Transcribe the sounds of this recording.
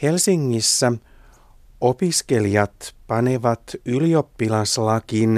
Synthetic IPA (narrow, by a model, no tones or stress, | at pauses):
he̞lsiŋːisːæ | o̞piske̞lijɑt̪pɑne̞ʋɑt̪ylio̞pːilɑslɑkin